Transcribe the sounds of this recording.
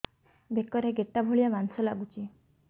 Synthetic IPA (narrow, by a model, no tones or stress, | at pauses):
bekɔɾeɡeʈːabʱoɭijamansɔlaɡut͡ʃi